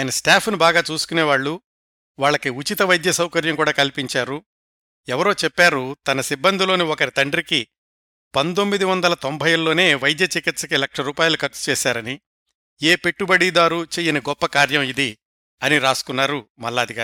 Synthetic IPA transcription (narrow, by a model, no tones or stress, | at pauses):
aːjɐnɐsʈaːpʰnubaːɡaːt͡ʃuːsu̥kuneːʋaːɭːu | ʋaːɭːɐkiut͡ʃit̪ɐʋɐjd̪jɐsɐwkɐɾjɐŋkuːɽaːkɐlipiɲt͡ʃaːɾu | ɛʋɐɾo̞ːt͡ʃɛpːaːɾut̪ɐnɐsibːɐnd̪ʱilo̞ːniɔkɐɾit̪ɐɳɖɐɾiki | pɐnt̪omːid̪iʋɐnd̪ɐlɐt̪ombʱɐjɐlːo̞ːne̞ːʋɐjd̪jɐt͡ʃikit̪sɐkilɐkʂɐɾuːpaːjɐlukɐɾt͡ʃu̥t͡ʃɛːsaːɾɐni | eːpe̞ʈːubɐɽid̪aːɾut͡ʃeːjɐniɡɔpːɐkaːɾjɐmid̪i | ɐniɾaːsu̥kunːaːɾumɐlːaːd̪ʱiɡaːɾ